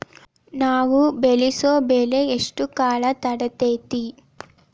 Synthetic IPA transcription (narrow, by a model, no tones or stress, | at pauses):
naːwubelisoːbeːleeʂʈukaːlɐt̪ɐɽɐt̪eːt̪i